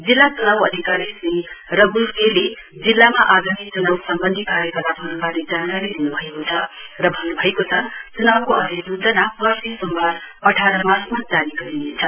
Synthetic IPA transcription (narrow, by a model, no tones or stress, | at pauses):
d͡zilːat͡sunawʌd̪ʱikaɾisirʌbulkele | d͡zilːamaʔaɡamit͡sunʌbsʌmbʌnd̪ʱikaɾjʌkʌrt̪apɦʌɾukaled͡zankaɾid̪inubʱʌekot͡sʰʌrʌbʱʌnubʱʌekot͡sʰʌt͡sunabkoʌd̪ʱisud͡zʌnapʌsisʌmbad | ʌʈʰaɾʌmasmad͡zaniɡʌd̪inet͡sʰʌ